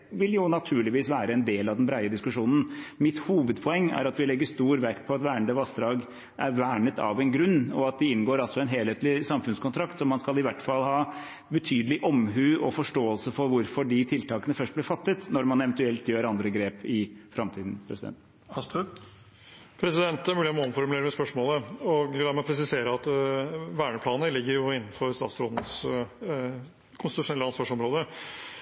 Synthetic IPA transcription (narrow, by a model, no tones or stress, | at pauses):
ʋɪljʊnɑt̪ʰʉːɭɪʋiːsʋæːɾəɛnd̪eːlɑʋd̪ɛnbɾæɪəd̪ɪskʉʂuːnən̩mɪt̪huːʋəd̪pʰɔɛŋːæ̰ɾɑt̪ʋɪlɛɡːəʂt̪uːɾʋækt̪̚pʰɔɑt̪ʋæːəɳd̪əʋɑst̪ɾɑːɡ | ʔæɾʋæːɳət̪ʰɑ̰ʋɛnɡɾʉnːɔɑt̪̚d̪ɛɪnɡoːɾɑlsɔɛnɦeːlheːt̪lɪsɑmfʉnskʊnt̪ʰɾɑkt̪sɔmːɑnskɑlɪʋæʈːfɑlhɑː | bət̪ʰyːd̪əlɪʔɔmɦʉːʔɔfɔʂʈoːəlsəfɔɾʋʊɾfɔɖɪt̪ʰɪlt̪ɑːkənəfœʂʈ̚blɪɾfɑt̪ːət̪nɔɾmɑnɛʋənt̪ʉɛlt̪jøːɾɑnd̪ɾəɡɾeːpɪfɾɑmt̪ʰiːd̪n̩pʰɾɛsɪd̪ɛ̰nt̪ | ɑst̪ | pʰɾɛsɪd̪ɛnt̪æɾmʉːlɪmːnfɔɾmʉleːɾəmɛspœʂmoːləɔɡlɑɾmɛɔpʰɾɛs̬ɪseːɾəɑt̪ʋæːɳəpʰlɑːnəlɪɡːəɾjʊɪnːnfɔɾst̪ɑ̰ːt̪sɾoːd̪nəs | kʰʊnst̪ɪt̪ʉʂʊnɛlːəɑnsʋɑːʂɔmɾoːd̪ə